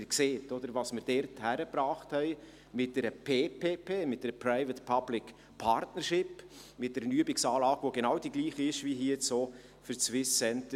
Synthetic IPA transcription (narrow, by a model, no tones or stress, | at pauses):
kseːtɔd̥̪əɾvɑːsmɪɾd̥ɛɾthæɾəpɾɑːχthɛɪ | mɪt̚d̥ɛɾəpʰeːpʰeːpʰeːmɪt̚d̥ɛɾəpʰɾaɪvətpʰɑb̥lɪk | pʰɑɾtnəɾʃɪpmɪt̚d̥ɛɾnyəbɪksɑːlɑːɡ̥voɡenɑwd̥iɡliːχiɪʃʋiɦiəɛt͡soː | fʏɾt͡sʋɪssɛntə